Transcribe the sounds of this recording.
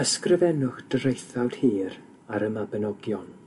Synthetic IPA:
əskrəvɛnʊχd̥əɾejθawd̥hiːɾ | aɾəmabənɔɡjɔn

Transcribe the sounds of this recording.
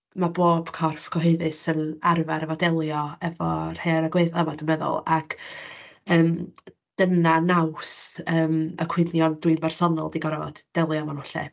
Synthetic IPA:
maboːb̥kʰɔrfkʰɔɦɨɨðɨsənarvaɾəvɔdɛlˠjɔɛvɔr̥heɾaɡweɨθəvadəmɛðʊ̰lˠakʰ | əːm | d̥ənanawsəːmə̰kʰw̥ɪnjɔndwɨnbɛr̥sɔnɔlˠdiɡɔɾɛvɔ̰d̥ɛlˠjɔmɔnʊɬɛ̰

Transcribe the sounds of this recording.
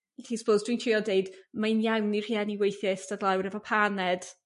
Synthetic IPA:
ɬiːsə̥pʰowzd̥wintʰiɔdejdmaɨnjawnir̥hianiwejθjɛsd̥adlˠawɾɛvɔpʰanɛd̥

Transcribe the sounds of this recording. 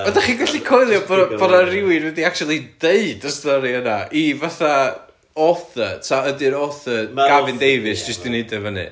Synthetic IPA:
ɔdaχiːnɡaɬikʰɔjlˠjɔbɔbɔnarɪwɪɾwɛdiak̚tʰulˠid̥eɨdəstɔɾiənaivaθa | ɔθətʰaədɪɾɔθəɡ̥avɪndejvɨsd͡ʒɪstd̥ineɨdɛvənɨ̰

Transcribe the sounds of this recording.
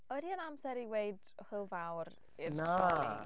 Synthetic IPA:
ɔdiənamsɛɾiwejd | hɪlˠvawɾ | ɪna

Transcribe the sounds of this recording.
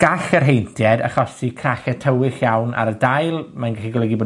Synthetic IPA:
ɡ̥axərɦejntʰjɛda̰χɔsikʰraχɛtʰəwɪɬjawna̰ɾədajlˠmanɡɛχiɡɔlˠɛɡibɔ

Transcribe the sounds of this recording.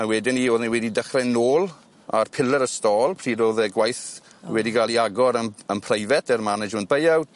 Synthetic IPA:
awɛdɪnioːðniwɛdidəχrɛnoːlˠ | a̰rpʰɪlˠəɾəstɔːlˠpʰr̥iːdoːðɛɡwajθ | wɛdiɡaːlˠiaɡɔɾənənpʰrejvɛtʰɛrmanɪd͡ʒʊn̚b̥ejaw

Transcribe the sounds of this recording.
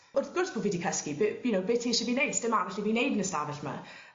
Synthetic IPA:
ʊrθɡ̥ʊrsb̥əlˠvɪdikʰəskibjunowbɪtʰiʃəbinejd̥stɪmavɪɬibinejdnəstavɪɬma̰

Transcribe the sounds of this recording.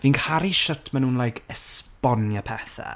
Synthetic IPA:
vinkʰaɾiʃətʰmanuːnlˠajkʰəspɔnjapʰɛθa̰

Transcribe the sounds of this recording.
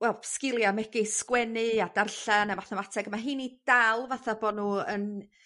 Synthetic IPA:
wɛlˠpskɪlˠjamɛɡɪskwɛnɨad̥arɬanamaθamatʰɛɡəmaɦɨːnid̥alˠvaθaboːdnuːən

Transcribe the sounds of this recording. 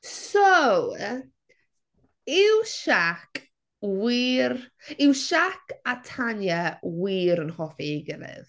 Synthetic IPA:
sow | ɪwʃak | wiːrɪwʃakʰatʰanjɛwiːɾənhɔfiɡəvɨ̰ð

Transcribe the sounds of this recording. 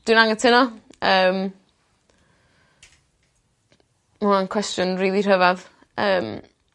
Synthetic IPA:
d̥winaŋətʰɪnɔəːm | maankʰwɛstjʊnriːlˠir̥əvað | əːm

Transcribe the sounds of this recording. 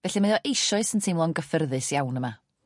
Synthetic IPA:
vɛɬiməɔʔejʃɔɨsəntʰiːmlˠɔŋɡəfərðɨsjawnəma

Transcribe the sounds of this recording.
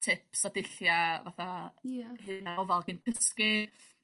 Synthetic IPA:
tʰɪpsɔdɪɬjavaθa | hɨnaɔvalˠɡinkʰəski

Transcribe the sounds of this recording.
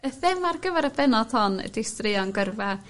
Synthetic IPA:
əθɪmarɡəvɛɾəbɛnɔd̥hɔnə̰dɪstrɪɔnɡərvɛr

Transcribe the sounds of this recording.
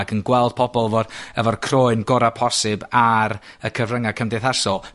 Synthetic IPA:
ɡənɡwɛlˠd̥̚pʰɔbɔlˠvɔrəvɔrkʰroːɨnɡɔɾapʰɔsɪbaɾəkʰəvrəŋakʰəmdɛθasɔlˠ

